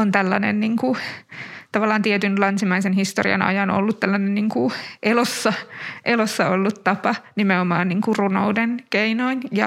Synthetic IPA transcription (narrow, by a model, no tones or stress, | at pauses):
ont̪ælːɑnḛnniːŋku | t̪ɑʋɑlːˑɑːnt̪iɛt̪ynlɑnsimɑisenhist̪o̰rḭɑ̰nɑ̰jɑno̰lːut̪t̪ælːɑnenniːŋkuʔelosːɑʔelosːɑolːut̪t̪ɑpɑnimeomɑːnniːŋkuruno̰udenkeinoinjɑ̰